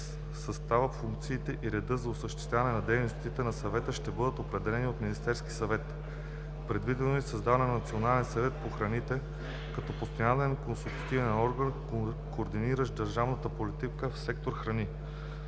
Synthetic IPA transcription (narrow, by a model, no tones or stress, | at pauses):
sɐst̪avəfuŋk̚t̪siːt̪ɛʔiɾɛd̪ɤzɐosəʃt̪i̥t̪avɐnɛnɐd̪ɛjnost̪it̪ɛnɐsɐvɛt̪əʃt̪ɛbɤd̪ət̪opɾɛd̪ɛlɛniot̪minist̪ɛɾski̥sɐvɛt̪ | pɾɛd̪vid̪ɛnoisɐzd̪avɐnɛnɐnɐt̪sionalɛnsɐvɛt̪̚poxɾɐnit̪ɛ | kɐt̪ɔpost̪jalɛnkonsulku̥t̪ivɛnɔɾɡən | koːɾd̪iniɾəʃd̪əɾʒavnət̪əpolit̪ikəfsɛkt̪oɾxɾɐni